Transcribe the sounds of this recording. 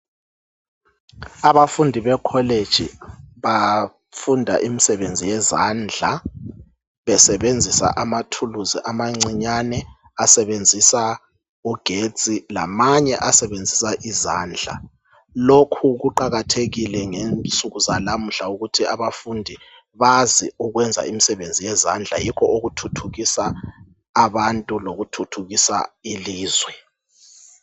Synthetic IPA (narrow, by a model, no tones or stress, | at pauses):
aβafundʱiβɛkʰɔled̥ʒ̥ʱiβa | fundʱa̰ʔimisɛβend͡zʱijɛzand͡ɮʱa | βɛsɛβend͡zʱisa̰ʔamatʰuluziʔamaŋ͡ǀiɲanɛ | asɛβend͡zʱisa | uɡ̥ʱe̥t͡sʼila̰maɲɛʔasɛβend͡zʱisaʔiza̰ːnd͡ɮʱa̰ | lokʰuɣuǃaɣatʰeɣilɛŋent͡sʼuɣuzalam̩ɬauɣutʰiaβafundʱi | βaziuɣwɛnd͡zʱa̰imisɛβend͡zʱijɛzand͡ɮʱa̰jikʰɔoɣutʰutʰuɣisaː | βantʼuloɣutʰutʰuɣisa̰iliːzwɛ